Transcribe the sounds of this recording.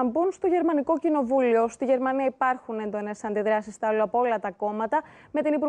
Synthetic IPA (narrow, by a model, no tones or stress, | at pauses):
ɐmbunst̪o̞ʝe̞ɾmɐniko̞cino̞vulio̞st̪iʝe̞ɾmɐniɐipɐɾxune̞nd̪o̞nesɐnd̪iðɾɐsist̪ɐɐloɐpoo̞lɐt̪ɐko̞mɐt̪ɐ | me̞t̪inipuɾ